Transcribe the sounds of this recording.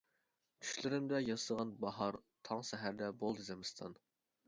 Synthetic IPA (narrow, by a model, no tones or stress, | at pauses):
t̪ʰy̥ʃlɪɾɪmd̪ɛjɑsəʁɑnbɑɦɑɾt̪ʰɑŋsɛɦæɾd̪ɛbolˠd̪ɨzɪmɨst̪ʰɑ̰n